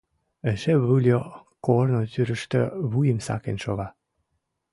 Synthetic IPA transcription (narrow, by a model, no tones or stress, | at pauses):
əʃeβɯlʲjokornot̪yɾə̆ʃt̪ø̰βujə̆msɑ̰kenʃoβɑ